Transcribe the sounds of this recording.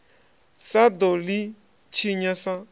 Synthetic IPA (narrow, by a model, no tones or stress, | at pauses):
sad̪oli | t͡ʃʰiɲãsã